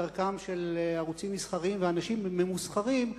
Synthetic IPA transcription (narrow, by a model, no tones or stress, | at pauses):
aʁkamʃelaʁut͡simːisχaʁimveanaʃimːe̞musχaʁim